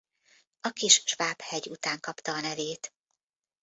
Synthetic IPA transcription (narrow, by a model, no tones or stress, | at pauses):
ɒkiʃʃʋaːphɛɟut̪aːŋkɒpt̪ɒːnɛveːt̪